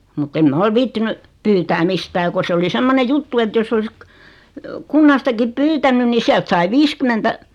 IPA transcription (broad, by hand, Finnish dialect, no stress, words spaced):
mutː em mɑ ol ʋiːtːiny pyːtæː mistæː ko se oli semːone jutːu et josː olis kə kunːɑstɑkip pyːtænyn ni siælt sɑi ʋiːskymːentæ